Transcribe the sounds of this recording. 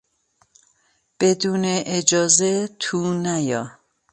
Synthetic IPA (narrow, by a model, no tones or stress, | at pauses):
b̥ed̪uːneʔːd͡ʒɒːzet̪ʰunæjɒ